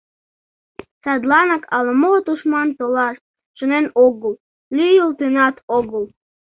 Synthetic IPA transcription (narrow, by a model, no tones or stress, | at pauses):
sɑd̪lˠɑnɑkʰɑlˠəmot̪uʃmɑnt̪olˠɑst̪̚ | ʃənenoɡəlˠ | lʲyjəlˠt̪ɨnɑt̪ʰoɡəlˠ